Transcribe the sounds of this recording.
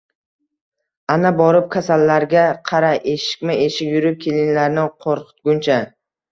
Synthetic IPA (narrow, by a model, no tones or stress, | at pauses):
anabɒɾɪp̚kʲʰasalːaɾɡʲaqʰɑɾaʔeʃɪ̥kʲmɪe̞ʃɪkʲjʊɾɪp̚kʲʰe̞lɪŋlaɾnɪqʰoɾqɨ̥t̪̚ɡʲʊnt͡ʃʰa